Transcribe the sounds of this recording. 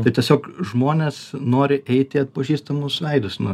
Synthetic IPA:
t̪ɐɪt̪ʲiɛsʲoːkʒmoːnʲeːsnoːɾʲɪʔɛɪt̪ʲɪɐt̪̚pɐʒʲiːst̪ɐmʊsʋʲɛɪd̪ʊsʲnʊ

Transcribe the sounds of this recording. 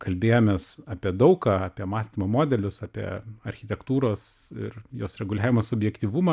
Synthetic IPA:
kʰɐlʲbʲeːjoːmʲeːsɑːpʲiɛd̪ɐʊkɑːɑpʲiɛmɑːsʲt̪ʲimomoːd̪ʲɛlʲʊsɑːpʲḭɛ̰ɐrʲxʲɪt̪ʲɛkt̪uːɾoːsɪ̰ɾjoːsɾʲɛɡʊlʲæːʋʲɪmosʊbʲjɛkt̪ʲiːʋumɑ

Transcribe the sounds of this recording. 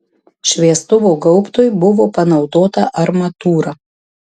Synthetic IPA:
ʃʲʋʲiɛst̪ʊʋoːɡɐʊpt̪ʊjbʊʋoːpɐnɒʊd̪oːt̪ɐʔɐɾmɐt̪uːɾɐ

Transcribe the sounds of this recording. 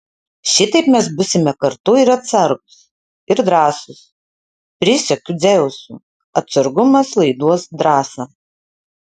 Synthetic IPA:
ʃʲɪt̪ɐɪpmʲɛsbʊsʲɪmʲɛkɐɾt̪ʊɪɾɐt̪sɐɾɡʊs | ɪɾd̪ɾɑːsʊs | pʲɾʲɪsʲɛkʲʊd̪zʲɛʊsṵː | ɐt̪sɐɾɡʊmɐslˠɐɪd̪uɔsd̪ɾɑːsɐ

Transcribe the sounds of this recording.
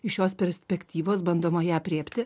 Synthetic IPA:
ɪʃʲoːspʲɛɾʲsʲpʲɛkʲt̪ʲiːʋoːsbɐnd̪oːmɐjæːpʲɾʲeːpʲt̪ʲɪ

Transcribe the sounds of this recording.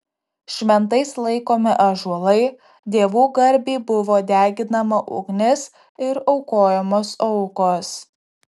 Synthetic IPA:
ʃʲmʲɛnt̪ɐɪslˠɐɪkoːmʲɪʔɐʒuɔlˠɐɪ | d̪ʲeːʋuːɡɐɾʲbʲiːbʊʋoːd̪ʲæːɡʲɪnɐmɐʔʊ̰ɡnʲɪs | ɪɾɒʊkoːjɛmoːsɔʊkoːs

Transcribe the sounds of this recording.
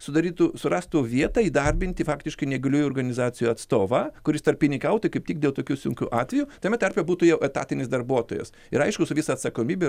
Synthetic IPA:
sʊd̪ɐɾʲiːt̪usʊɾɑst̪uʋʲiɛt̪ɐiːd̪ɐrʲbʲɪnʲt̪ʲɪfɑːkt̪ʲɪʃkɐɪnʲɛɡɐlʲuːjʊoːrɡɐnʲɪzɑːt͡s̪ʲɪjuɐt̪st̪oːʋɐkʊɾʲɪst̪ɐrpʲːɪnʲɪkɐʊt̪ʊɪkɐɪpt̪ʲiːk̚d̪ʲeːlˠt̪oːkʲuːsʲʊŋʲkʲṵːʔɑːt̪ʲʋʲɛjut̪ɐmʲɛt̪ʲɛɾʲpʲɛbuːt̪ʊjɛʊʔɛt̪ɑ̰ːt̪ʲɪnʲɪsd̪ɐrbuɔt̪oːjɛ̰s | ɪɾɐɪʃkʊsʊʋʲɪsɐːt̪sɐkoːmʲiːbʲe

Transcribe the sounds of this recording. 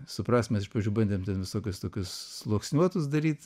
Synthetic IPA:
sʊpɾɑːst̪mʲɛsɪʃpɐʒʲd͡ʒʲuːbɐnʲd̪ʲemtʲɛnʋʲɪsoːkʲʊst̪oːkʲʊslˠoːksʲnʲuɔt̪ʊs̬d̪ɐɾʲiːt̪

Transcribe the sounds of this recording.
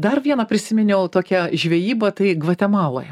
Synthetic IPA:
d̪ɐrʋʲiɛnɐpʲɾʲɪsʲɪmʲɪnʲɛʊt̪oːkʲɛʒʲʋʲɛjiːbɐt̪ɐɪɡʋɐt̪ʲɛmɑːlˠo̰ːjɛ

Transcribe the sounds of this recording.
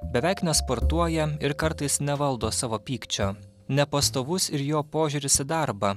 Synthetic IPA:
bʲɛʋʲɛɪknʲɛspoɾt̪uɔjɛɪɾkɐɾt̪ɐɪsnʲɛʋɐlˠd̪oːsɑːʋoːpʲiːkt͡ʃʲoː | nʲɛpɐst̪oːʋʊsɪɾjoːpoːʒʲuːɾʲɪsʲɪd̪ɑɾbɐ

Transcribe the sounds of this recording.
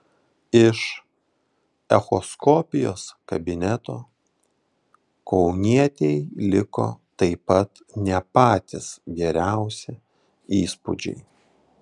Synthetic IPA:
ɪʃ | ɛxɔskɔːpʲɪjo̰ːskɐbʲɪnʲɛt̪oː | kɒʊnʲiɛt̪ʲɛɪlʲɪko̰ːt̪ɐɪpɐt̪ | nʲɛpɑːt̪ʲɪsɡʲɛɾʲæˑʊsʲɛ | iːspʊ̰d͡ʒʲɛ̰ɪ

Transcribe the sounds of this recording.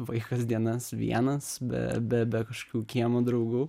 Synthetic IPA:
ʋɐɪkɐsd̪ʲiɛnɐsʋʲḭɛnɐsbʲɛ̰bʲɛbʲɛkɐʃo̥kʲuːkʲiɛmod̪ɾɐʊɡuː

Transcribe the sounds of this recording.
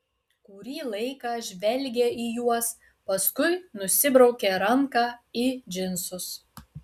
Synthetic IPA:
kʊɾʲiːlˠɐɪkɑːʒʲʋʲɛlʲɡʲeijuɔs | pɐskʊɪnʊsʲɪbɾɒʊkʲeɾɐŋkɑːid͡ʒʲɪnsʊs

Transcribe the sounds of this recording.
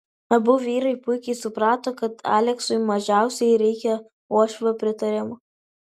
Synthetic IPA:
ɐbʊʋʲiːɾɐɪpʊɪkʲɛɪsʊpɾɑːt̪oːkɐt̪ʰɑ̰ːlʲɛksʊɪmɐʒʲæˑʊsʲɛɪɾʲɛɪkʲɛ | oɔʃʲʋʲɛpʲɾʲɪt̪ɐɾʲɪmʊ

